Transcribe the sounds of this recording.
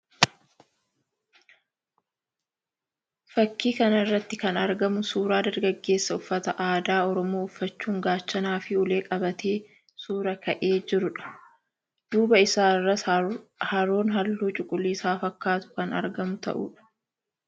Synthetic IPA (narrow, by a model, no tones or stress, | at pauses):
fɐkːiːkɐnɐrːɐt̪ːɪkɐnɐɾɡɐmʊsuːɾaːd̪ɐɾɡɐɡːe̞ːsːɐʊfːɐt̪ɐʔaːd̪aːɔɾɔmoːʊfːɐt͡ʃːuːŋɡaːt͡ʃːɐnaːfɪʊle̞ːkʼɐbɐt̪ʰeː | suːɾɐkɐʔeːd͡ʒɪɾʊᶑɐ̥ | d̪̥uːbɐɪsaːrːɐ | hɐɾoːnɦɐlːuːt͡ʃʼʊkʼʊlːiːsaːfɐkːaːt̪ʊ̥kɐnɐ̰ɾɡɐmʊt̪ɐ̰ʔṵːᶑɐ̥